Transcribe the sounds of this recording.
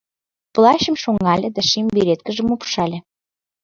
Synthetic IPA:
plˠɑɕə̆mʃoŋɑlʲed̪æʃimbeɾet̪̚kə̆ʒə̆mupʃɑlʲĕ

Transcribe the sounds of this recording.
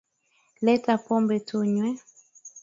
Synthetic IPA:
lɛtapɔmbɛtuɲwɛ

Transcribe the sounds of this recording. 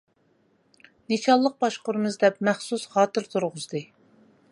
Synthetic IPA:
net͡ʃɑlˠːəq̚bɑʃqʊɾɨmɨzd̪ɛpmɛχsusχɑːt̪ɨɾt̪ʰuɾʁʊzd̪ɨ

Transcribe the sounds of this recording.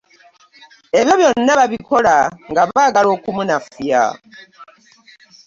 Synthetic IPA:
e̞βjoβjonːaβaβiko̞laŋɡaβaːɡalo̞ːkumunafja̰

